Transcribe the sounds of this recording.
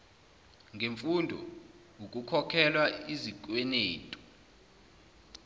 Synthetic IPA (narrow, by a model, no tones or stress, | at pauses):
ŋɡʱeɱfundʱɔ̰ | ukʼukʰɔkʰɛlwaizik̬ʼwɛneːtʼu̥